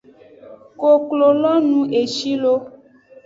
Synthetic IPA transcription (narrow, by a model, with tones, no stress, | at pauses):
ko˨klo˨lɔ˦nũ˨ʔe˨ʃi˦lo˦